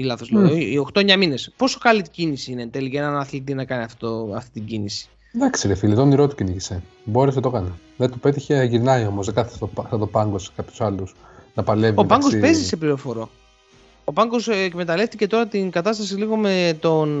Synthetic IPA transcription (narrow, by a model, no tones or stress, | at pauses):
ilɐθozloio̞xt̪o̞eɲɐmine̞spo̞so̞kɐlit̪icinisiinet̪elicɐenɐnɐθlit̪̬inɐkɐniɐft̪t̪oɐft̪it̪iɟinisi̥ | d̪ekseɾefilit̪oniɾo̞t̪u̥ciniçise̞ | bo̞ɾeset̪o̞kɐne | ðet̪upe̞t̪içeʝiɾnɐio̞mozðekɐθe̥st̪opsɐt̪opɐŋɡose̥kɐpçu̥sɐlus | nɐpɐleviopɐŋɡɡospe̞zise̞pliɾo̞fo̞ɾo̞ | opɐŋɡo̞sekmet̪ɐle̞ft̪ice̞t̪o̞ɾɐt̪iŋɡɐt̪ɐs̬t̪ɐs̬iliɣo̞met̪o̞n